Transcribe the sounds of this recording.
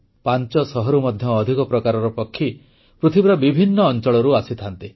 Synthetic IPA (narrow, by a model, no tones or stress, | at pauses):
pant͡ʃɔsɔɦɔɾumɔd̪ʱjɔːd̪ʱikɔpɾɔkaɾɔɾɔpɔkʰːi | pɾut̪ʰibiɾɔbibʱinːɔːnt͡ʃɔɭɔɾuasit̪ʰant̪i